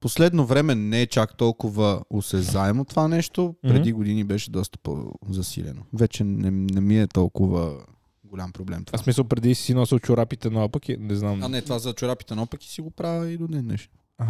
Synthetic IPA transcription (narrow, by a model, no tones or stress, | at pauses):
poslɛd̪novɾɛmɛnɛɛt͡ʃakt̪ɔlˠkʊvəosɛzaɛmot̪ovanɛʃt̪opɾɛd̪iɡod̪inibɛʃɛd̪ɔst̪ə̥po̰zɐsḭlɛ̰no̰vɛt͡ʃɛnɛnɛmiɛt̪ɔlˠkʊvə | ɡolʲampɾoblɛmt̪o̥vaasmisəlˠpɾɛd̪isi̥sinɔsilˠt͡ʃʊɾapit̪ɛnɐɔpəkinɛznamanɛt̪ovazɐt͡ʃʊɾapit̪ɛnɔpəki̥siɡopɾavəid̪onɛnɛ̰ʃt̪o̥ | a